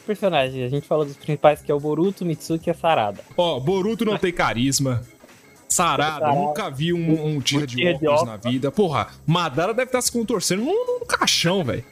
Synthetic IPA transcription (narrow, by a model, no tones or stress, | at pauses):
peɾsonaʒẽj̃zaʒẽnt͡ʃɪfalod̪ʊspɾĩsi̥pajskɪɛʊboɾut̪ʊmisukɪɛsaɾa̰d̪ɐɔboɾut̪ʊnɐ̃w̃t̪ẽj̃kaɾizmɐ | saɾadɐnũkɐaviũmũt͡ʃiɐd͡ʒɪiɐɔnɐvid̪ɐpoɦɐ̰mad̪aɾɐd̪ɛvɪt̪aɾsɪ̥kõt̪oɾsẽnd̪ʊnũnũkaʃɐ̃w̃vɛ̰jʊ